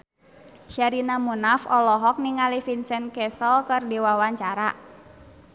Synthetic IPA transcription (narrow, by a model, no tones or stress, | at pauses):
ʃaɾinamunafɔlɔɦɔk̚niŋalifinsɛnkɛsəlkərdewawaɲt͡ʃaɾa